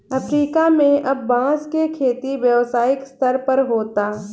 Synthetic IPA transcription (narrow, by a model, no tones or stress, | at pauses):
ɐfɾiːkamẽʔɐbːãːskekʰeːt̪iʋjəʋsaːɪkst̪əɾpɐɾɦoːt̪aː